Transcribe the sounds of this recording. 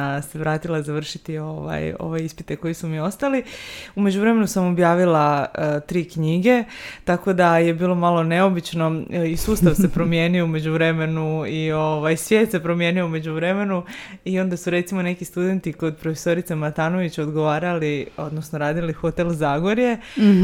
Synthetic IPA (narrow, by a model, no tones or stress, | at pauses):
se̞ʋɾaːt̪ilˠazaʋr̩ʃit̪io̰ʋa̰jo̰ʋojispit̪eko̞jisumio̞st̪aliume̞d͡ʑuvɾe̞me̞nusamo̞bjaːʋilat̪ɾiːkɲiɡe̞ | t̪ako̞d̪aje̞biːlˠo̞malo̞ne̞o̞bit͡ɕno̞isuːst̪aʋse̞pɾo̞mje̞ːnioume̞d͡ʑuʋɾe̞me̞nuioʋajsʋje̞ːt̪se̞pɾo̞mje̞ːnio̞ume̞d͡ʑuʋɾeme̞nuio̞nd̪asuɾe̞t̪simo̞ne̞kist̪ud̪e̞nt̪iko̞d̪̚pɾofe̥so̞ɾit̪semat̪aːno̞ʋit͡ɕo̞d̪ɡo̞ʋaːɾalio̞̰d̪nosno̞ɾaːd̪ilixo̞t̪e̞lzaɡoɾje̞